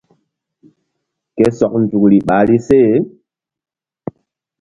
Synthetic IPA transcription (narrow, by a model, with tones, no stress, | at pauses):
ke˦sɔ˨k̚n̩˨tu˨kɾi˨ɓa˨˦li˦se˦˨